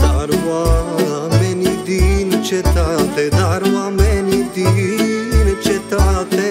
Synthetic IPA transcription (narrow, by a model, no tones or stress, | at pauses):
d̪aɾʋa | menid̪int͡ʃʰet̪at̪ed̪aɾʋamenid̪i | nt͡ʃʰet̪at̪e